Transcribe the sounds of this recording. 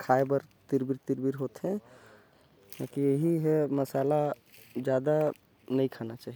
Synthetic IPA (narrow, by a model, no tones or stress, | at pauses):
kʰaːebəɾt̪iɾbiɾt̪ɪɾbiɾɦot̪ɦɛ̃ | nakijeɦiɦɛmɐsaːla | d͡ʒjaːd̪a | nəikʰanat͡ʃaːɦie